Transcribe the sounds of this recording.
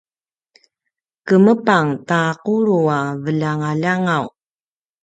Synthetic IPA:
kəməpaŋtaquɾuavəʎaŋaʎaŋaw

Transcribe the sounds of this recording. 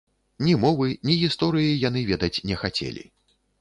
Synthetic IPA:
nʲimɔvɨnʲiɣʲist̪ɔɾɨjijan̪ɨvʲɛd̪ɐt͡sʲnʲɛxat͡sʲḛlʲḭ

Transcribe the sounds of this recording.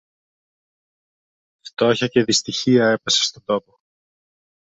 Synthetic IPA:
ft̪o̞çɐce̞ðist̪içiɐe̞pese̥st̪o̞d̪o̞po

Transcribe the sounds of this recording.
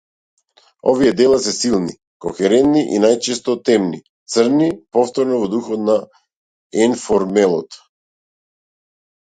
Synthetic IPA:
ɔvijɛd̪ɛlˠasɛsilˠni | kɔ̰xɛɾɛnt̪̚niʔḭnajt͡ʃɛst̪ɔt̪ɛmni | t̪sərnipɔft̪ɔɾnɔvɔd̪uxɔt̪na | ɛnfɔɾmɛlˠɔt̪

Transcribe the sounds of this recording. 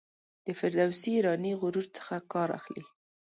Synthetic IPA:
d̪̥əfɪɾd̪awsiːɾɑniɣʊɾuɾt͡sə̥xakɑɾa̰xli

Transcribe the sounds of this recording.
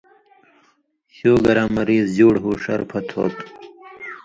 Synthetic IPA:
ɕoːɡɐɾamɐɾiːzd͡ʑuːɽɦuːʂɐ̰ɾpʰɐt̪ʰo̰ːt̪

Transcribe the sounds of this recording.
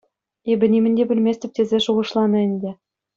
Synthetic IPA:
ebʲɘ̆nʲimʲɘ̆nʲdʲebʲɘ̆lʲmʲesʲt̪ʲɘ̆p̚ʲt̪ʲezʲeʃuʁɤ̆ʃlˠɑnɤ̆ɘ̆nʲdʲɘ̆

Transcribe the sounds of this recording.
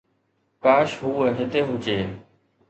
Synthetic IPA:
kaːʃɦuːeɦɪt̪eːɦʊt͡ʃeː

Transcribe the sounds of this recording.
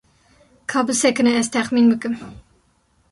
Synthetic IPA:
kʰɑːbɨsɛkɨnɛɛzt̪ʰɛχmiːnbɨkɨm

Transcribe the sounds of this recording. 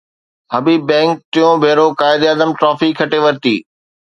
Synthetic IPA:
ɦɐbiːbɛ̃ːŋk̚t̪ɪjõbʱeːɾokaːɪd̪əːd̪əmʈɾɔːfikʰɐʈeʋɐɾt̪ḭː

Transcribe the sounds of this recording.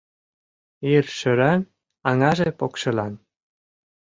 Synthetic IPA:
irʃø̆ɾɑn | ɑŋɑʒepokʃɤ̆lɑn

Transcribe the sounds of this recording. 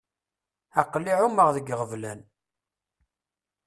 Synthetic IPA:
æqlːiʕuməʁðəɡʁəvlæn

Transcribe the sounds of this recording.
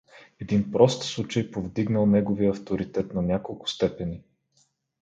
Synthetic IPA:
ɛd̪inpɾɔst̪slˠut͡ʃɐjpovd̪iɡnəlˠnɛɡoviəɐft̪oɾit̪ɛt̪nɐnʲakolˠkʊ̥st̪ɛpɛni

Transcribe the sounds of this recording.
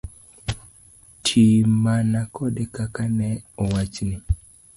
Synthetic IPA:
tʰimanakʰɔdekakanɛɔwat͡ʃnɪ

